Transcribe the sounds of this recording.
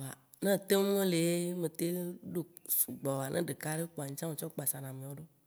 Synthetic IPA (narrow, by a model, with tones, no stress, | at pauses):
wa˨ | nẽ˦˨t̪e˦wẽ˦le˨˦mẽ˨t̪e˦ɖo˦su˨ɡ͡bɔ˨a˨nʔḛ̃˦ɖe˨ka˦ɖe˦k͡po˨a˨ɲĩ˦t͡ʃã˦me˨t͡ʃɔ˦k͡pa˨sa˨nã˨mẽ˨wo˦ɖo˦